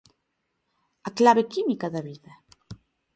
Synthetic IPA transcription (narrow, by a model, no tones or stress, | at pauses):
aklaβekimikaðaβiða